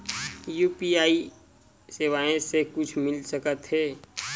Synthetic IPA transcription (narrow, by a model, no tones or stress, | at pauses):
juːpiaːi | seːwaːẽsekʊt͡ʃʰmɪlsəkət̪ɦɛː